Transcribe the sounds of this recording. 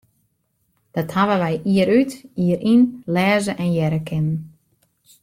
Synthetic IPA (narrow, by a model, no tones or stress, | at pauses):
d̥ɔthaʋəʋɛjʔiəɾytiəɾʔinlɛːzəʔɛnjɛɾəkʰɪnən